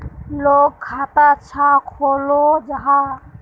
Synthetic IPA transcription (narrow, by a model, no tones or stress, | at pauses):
loːk̚kʰat̪at͡ʃʰakʰolod͡ʒəɦã